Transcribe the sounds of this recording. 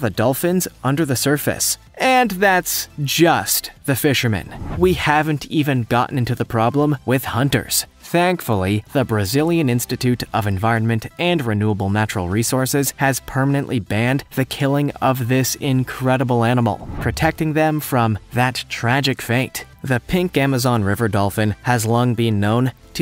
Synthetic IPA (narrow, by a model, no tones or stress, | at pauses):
ðɨdʌlˠfɨ̃nzʔʌ̃ndə˞ðɨsɜ˞fɨ̰s | ɨ̃nðætsd̥ʒ̥ʌst̪ðɨfɪʃə˞mɨ̰̃nwihævɨ̃n̩tʰivɨ̃nɡɑ̰ʔn̩ɪ̃ntʉðəpʰɹ̥ɑblə̃mwɪð̥hʌ̃ntə̰˞z̥ | θæ̃ŋkfl̩ˠiðəbɹɨzɪlˠjɨ̃nɪ̃nstɨtʰʉɾʔʌvɨ̃ɱvaɪɹɨ̃nmɨ̃ntʔɨ̃nɹɨnuəbl̩ˠnæt͡ʃɹ̥l̩ˠɹisɔɹsɪz̥ɨz̥pʰɜ˞mənɨ̃nʔlʔibæ̃nd̪ðɨkʰɪlˠɪ̃ŋʌvðɪsɪ̃nkʰɹ̥ɛɾəbl̩ˠænəml̩ˠpʰɹ̥ɨtʰɛk̚tɪ̃ŋðɨ̃ɱfɹʌ̃mðɨtʰɹ̥æd͡ʒɨkfẽɪ̃nt̪ | ðɨpʰɪ̃ŋkæmɨzɑ̃nɹɪvə˞dɔlˠfɨ̃nɨzlɔ̃ŋbɨ̃nːõʊ̃n | tʰɨ